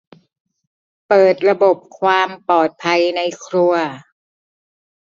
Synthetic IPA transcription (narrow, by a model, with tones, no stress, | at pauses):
pɤː˨˩t̪̚ɾa˧bo˨˩p̚kʰwaː˧mpɔː˨˩t̪̚pʰa˧jna˧jkʰɾu˧ɐ